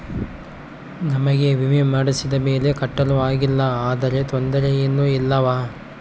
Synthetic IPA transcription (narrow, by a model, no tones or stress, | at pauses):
nɐmɐɡe̞ʋimimaɽisid̪ɐme̞ːle̞kɐʈːɐluʋaːɡilːɐaːd̪ɐɾe̞t̪ond̪ɐɾejenːuilːɐʋaː